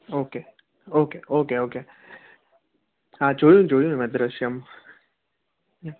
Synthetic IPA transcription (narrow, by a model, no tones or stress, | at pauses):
oːke | oːkeʔoːkeoːke | ɦãːt͡ʃoːijũt͡ʃoːɽijũmɛd̪ɾɐʃjɐm